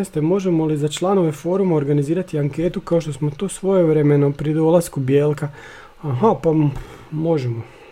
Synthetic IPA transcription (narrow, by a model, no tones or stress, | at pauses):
est̪emo̞ʒemo̞lizat͡ʃlˠano̞ʋe̞fo̞ɾumao̞ɾɡaniziːɾat̪iaŋke̞ːt̪ukao̞ʃt̪o̞smo̞t̪osʋo̞jeʋɾemenopɾid̪o̞lˠaskubjeːlˠka | aɦapa | mo̞ʒemo